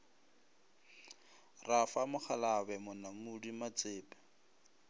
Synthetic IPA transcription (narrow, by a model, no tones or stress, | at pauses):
rafamʊk͡xʰalaβɛmʊnaŋudimat͡sʼeːpɛ̥